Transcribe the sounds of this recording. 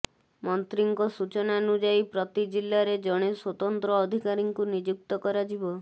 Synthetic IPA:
mɔnt̪ɾiŋkɔsut͡ʃɔnanud͡ʒajpɾɔt̪id͡ʒilːaɾed͡ʒɔɽ̃eswɔt̪ɔnt̪ɾɔːd̪ʱikaɾiŋkunid͡ʒuk̚t̪ɔkɔɾad͡ʒibɔ

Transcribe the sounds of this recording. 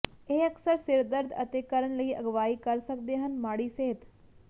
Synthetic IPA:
eːɐksəɾsɪɾd̪əɾd̪ʱɐ̰t̪ekɐɾəɳ̃ləiʔɐɡʋaːikɐɾsɐkd̪eɦənmaːɽiseɦɪt̪

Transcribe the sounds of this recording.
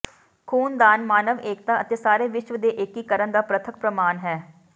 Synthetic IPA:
kʰuːnd̪aːnmaːnəʋeːk̚t̪aːət̪eːsaːɾeːʋɪʃʋəd̪eːʔekːikəɾənd̪aːpɾət̪ʰək̚pɾəmaːnɦɛː

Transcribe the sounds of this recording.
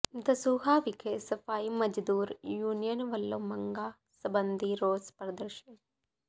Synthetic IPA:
t̪ɐsuːɦaːʋikʰesɐfaːimɐd͡ʒd̪uːɾjuːnijɐnʋɐlːɐmɐŋɡaː | sɐbɐnd̪ʱiɾoːspɾɐd̪ɐɾʃɐn

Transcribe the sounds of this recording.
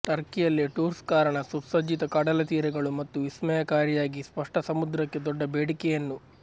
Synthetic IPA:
ʈɐɾkijɐlːiʈuːɾskaːɾɐɳɐsupsɐd͡ʒit̪ɐkɐɽɐlɐt̪iːɾɛɡɐɭumɐt̪ːuismɛjɐkaːɾijaːɡispɐʂʈɐsɐmud̪ɾɐkːe̞d̪ɔɖːɐbeːɽikɛjɐnːu

